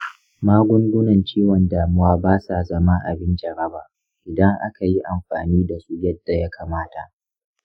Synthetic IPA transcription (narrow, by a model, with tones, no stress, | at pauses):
maː˦ɡʷʊ˦ŋɡʷʊ˦nɐ˨nt͡ʃiː˦wɔ˨ndaː˨mʊ˦waː˦baː˦sa˨zɐ˦ma˦ʔa̰˨bɪ˦nd͡ʒɐ˨ɾɐ˦baː˨ | ʔɪ˨dɐ˦ŋʔa̰˦ka˨ji˦ʔa˨mɸa̰ː˨niː˦da˨su˦jɐ˦d̥ːa˨ja˦kʰaː˨maː˦ta̰˨ʔ